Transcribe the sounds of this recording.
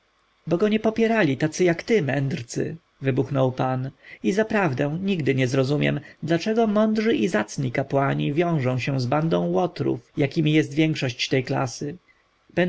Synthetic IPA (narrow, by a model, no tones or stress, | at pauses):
bɔɡɔɲɛpɔpʲjɛɾalʲit̪at̪sɨjakt̪ɘmɛnd̪ɾt̪sɘ̰ | vɘbuxnɔwpanizapɾavd̪ɛ̃w̃ɲiɡd̪ɘɲɛzɾɔzumʲjɛ̰md̪lat͡ʂɛɡɔmɔnd̪ʐɘʔizat̪sɲikapwaɲivʲjɔ̃w̃ʐɔ̃w̃ɕɛ̃zband̪ɔ̃w̃wɔt̪ɾṵfjakʲimʲijɛst̪vʲjɛŋkʂɔɕt͡ɕt̪ɛjkla̰sɘ | b̥ɛn